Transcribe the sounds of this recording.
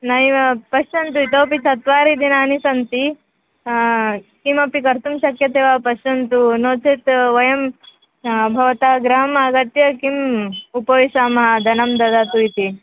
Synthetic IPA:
nɐjʋɐpɐʃt͡ʃɐnt̪uit̪oːpisɐt̪ʋaːɾid̪inaːnisɐnt̪i | kimɐpikɐɾt̪umʃɐkjɐt̪eːʋaːpɐʃɐnt̪unoːt͡ʃʰet̪ʋɐjɐm | bʱɐʋɐt̪aːɡɾaːɐmɐɐɡɐt̪jɐkimupɐʋiʃaːmɐɦɐd̪ʱɐnɐmd̪ɐd̪aːt̪uit̪i

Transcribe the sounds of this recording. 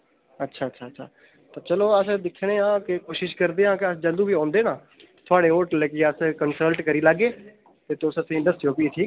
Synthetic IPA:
ətːʃʰaːətːʃʰaːtːʃʰa̰ː | t̪aːt͡ʃəloːəsd̪ɪkʰːɽ̃eːãːkɪkoːʃɪʃkəɾd̪eːɦãːkɪəsd͡ʒəld̪uːbiːãːnd̪eːnãː | t̪ʰʊaːɽeːoːʈləkiəskənsəlʈkəɾiːlaɡːeː | t̪eːt̪ʊsəsĩːɪ̃ɳɖəsʈɾioːpiːeːʈʰiːk

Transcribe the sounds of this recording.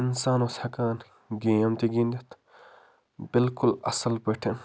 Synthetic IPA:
insaːnoshɐkaːn | ɡeɐmt̪iɡĩːnd̪et̪ | bɪlkʊlɐ̰sɐlpɐʈʰe

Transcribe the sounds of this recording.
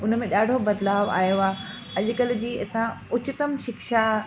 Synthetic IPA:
ʊnəmẽɗaːɖʱobɐd̪laːʋa̰ːjoaː | ɐʄʊkəl̆d͡ʑiːɐsãʊt͡ɕɪt̪əmʃɪkʃa

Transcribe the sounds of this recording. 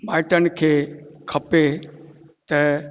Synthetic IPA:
maːɪʈənkʰeːkʰɐpe | t̪ɐ

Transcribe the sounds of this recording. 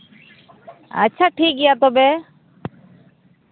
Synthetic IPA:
a̰t͡ʃʰaʈʰik̚ɡɛjat̪ɔbɛ

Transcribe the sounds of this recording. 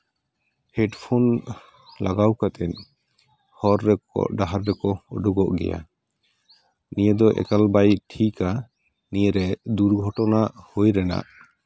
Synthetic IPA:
hɛɖpʰon | laɡawkat̪ʰɛn | hɔɾːɛkɔ̰ɖaɦaɾːɛkɔɔɖuɡɔʔɡɛ̰ja̰ | nijəd̪ɔʔɛ̰kalbajʈʰika | nijəɾɛd̪uɾɡʱɔʈɔnaʔhojɾɛna̰ʔ

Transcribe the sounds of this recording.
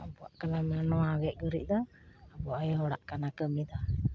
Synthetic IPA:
abɔa̰ʔkalamɛnɔaɡɛʔ̚ɡəɾḭʔ̚ˀd̪a | abɔajɦɔɽa̰ʔkanakəmid̪a

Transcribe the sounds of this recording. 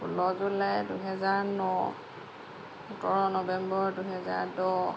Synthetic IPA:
ulɔzulajduɦɛzaɹnɔ | utɔɹɔnɔbɛmbɔɹduɦɛza̰ɹdɔ

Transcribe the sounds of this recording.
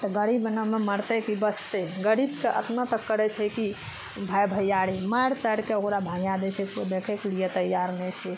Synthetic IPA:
t̪ɔɡəɾibnəmeməɾt̪ɛkibəst̪eɡəɾibkeʔə̰t̪nət̪əkːəɾɛt͡ʃʰɛki | bʱajbʱəjaɾimaɾt̪əɽkeokɾabʱãɡjad̪ɛt͡ʃʰɛkod̪ekʰɛklijet̪əjːaɾnɛt͡ʃʰɛ

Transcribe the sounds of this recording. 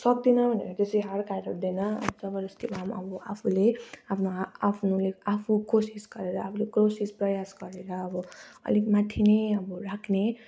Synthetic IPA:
sʌk̚d̪inʌbʱʌnḛɾʌt̪esiɦʌɾkaʈʌɾd̪enʌ̰bʌd͡zʌbʌɾʌst̪ibamʌ̰bʌapʰuleapʰnoapʰnoleapʰukosisɡʌɾeɾʌapʰulekosisprʌjasɡʌɾeɾʌːbʌʌ̰likmat̪ʰineʌbʌrakʰne

